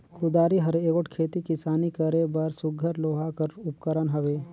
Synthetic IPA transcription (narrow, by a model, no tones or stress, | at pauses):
kʰʊd̪aːɾiɦɐɾeːɡoʈkʰeːt̪ikɪsaːnikəɾebɐɾsʊɡʱəɾloːɦakəɾʊpkəɾənɦɐʋeː